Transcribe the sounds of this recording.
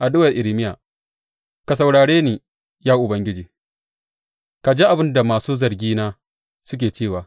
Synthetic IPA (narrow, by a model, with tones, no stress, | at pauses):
ʔa˨dʊ˦wɐ˨rʔɪ˨ɾɪ˨˦mɪ˦jaː˨ | ka˨s̬ɐ˨wɽaː˨ɽeː˦niː˨ | jaː˦ʔʊ˨bɐ˦ŋɡʲɪ˦d͡ʒiː˨ | ka˨d͡ʒeː˦ʔa˨bɪ˦nda˨maː˨suː˦zɐ˨rɡʲiː˦naː˦ | sʊ˦k̬ʲeː˨t͡ʃeː˦˨waː˨